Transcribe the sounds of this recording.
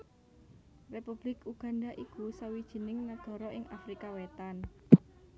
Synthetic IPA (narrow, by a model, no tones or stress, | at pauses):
repub̥lɪkuɡ̥a̤ndaʔikusawid̥ʒ̥i̤nɪŋnad̪̥ɔ̤ɾɔʔɪŋʔafɾikawet̪an